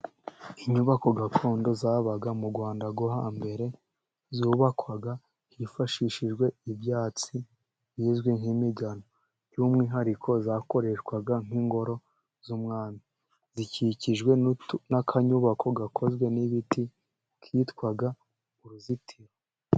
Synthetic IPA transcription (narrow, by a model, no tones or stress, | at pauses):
iɲuβako̞ɡakʰo̞ːndo̞zaβaɡamuɡwaːndaɡoɦambe̞ɾe̞ | zuːβakwaɡa | hifaʃiʃiʒɡwe̞ibjaːt͡si | βiːzɡwiŋ̥himiɡano | juːmŋiːɦaɾikʰo̞zaːko̞ɾe̞ʃkwaɡaŋ̥iŋɡo̞ɾo̞ | zumŋaːmi | ziciciʒɡwe̞nakʰaɲuβakʰo̞ɡakʰo̞zɡwe̞niβiti | kʰitkwaɡa | uɾuzitʰiɾo